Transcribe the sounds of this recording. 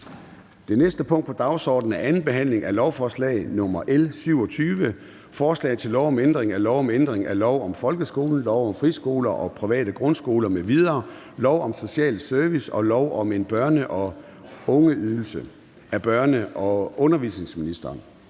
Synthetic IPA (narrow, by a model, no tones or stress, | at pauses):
d̥e̝nesd̥əpʰɔ̽ŋ̰d̥pɒ̽d̥ɑ̈ʊsɒ̰ːd̥n̩æɐʔænn̩b̥e̝ɦæn̰le̝ŋʔæɐlɒʊfɒːslɛ̰ɪnɔ̽mɐʔelsyʊɒ̽t͡sʰyːʋə | fɒːslɛ̰ɪt͡sʰe̝lːɒʊɒ̽mend̥ʁeŋæɐlɒʊɒmend̥ʁeŋælɒʊ̰ɒ̽mfɒ̽lɡ̥əsɡ̥o̝̰ːln̩lɒʊɒ̽mfʁisɡ̥o̝̰ːlɐʔɒ̽pʰʁiʋɛ̰ːɾ̥əɡ̥ʁɔ̽nsɡ̥o̝ːlɐmeʋiðˠɐː | lɒʊɒ̽mso̝ɕɛ̰ːlsøɐʋisɒ̽lɒʊʔɒ̽me̝nb̥ɶɐnəʔɒ̽ | ɔ̽ŋəyðˠl̩sə | æb̥ɶɐnəʔɒ̽ʔɔ̽nɐʋisne̝ŋsminisd̥ɐːn